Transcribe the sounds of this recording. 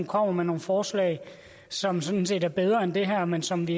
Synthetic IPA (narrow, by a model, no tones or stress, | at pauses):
kʰɒ̽m̰ɐmeno̝ːn̩fɒːslɛ̰ːɪ | sɒ̽msɔ̽nse̝̰ːd̥æɐb̥eð̞ˠʁɐend̥e̝ɦæɐ̰mensɒ̽mʋi